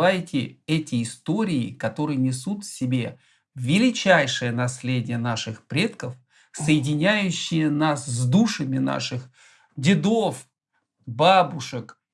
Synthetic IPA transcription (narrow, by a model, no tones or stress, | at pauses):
ajtʲɪɛtʲɪːst̪o̞ɾʲɪɪkɐt̪o̞ɾɨjənʲɪsut̪fsʲɪbʲe̞ | vʲɪlʲɪt͡ɕæjʂɨjənɐsʲlʲedʲɪjənaʂɨxpɾʲe̞t̪kəf | səjɪdʲɪnʲæjʉɕːɪjənaszʲd̪uʂɨmʲɪna̰ʂɨx | dʲɪd̪of | babʊʂɨk